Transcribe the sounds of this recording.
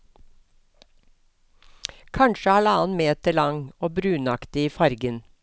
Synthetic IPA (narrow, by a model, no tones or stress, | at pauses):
kʰɑɳʃəæːɭəɑːnmeːt̪əɭɑŋoːbɾʉːnɑkt̪ɪiːfɑɾɡən